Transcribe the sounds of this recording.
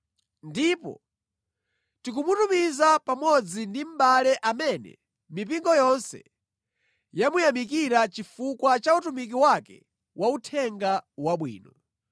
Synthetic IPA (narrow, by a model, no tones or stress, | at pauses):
ndipɔ̰ | tikumutumizapamɔd͡zindim̩balɛʔamɛnɛ̰ | mip̬iŋɡɔjɔnsɛ̰ | jamujamikiɾat͡ʃifukwat͡ʃautumik̬iwakɛ̰ | wʔautʰɛŋɡawaɓwḭːnɔ